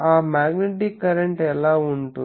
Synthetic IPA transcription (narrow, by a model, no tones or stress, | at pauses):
aːmaːɡneʈ̬ikːɐɾeɳʈɛlaːuɳʈu